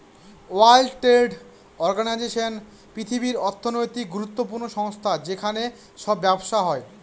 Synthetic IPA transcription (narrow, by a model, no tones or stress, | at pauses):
oalʈeɖ | ɔɾɡanajd͡ʑeʃon | pɾit̪ʰibiɾɔɾt̪ʰːonojt̪ik̚ɡuɾut̪ːopuɾnoʃɔŋst̪ʰad͡ʑekʰane | ʃɔbːɛboʃaɦɔe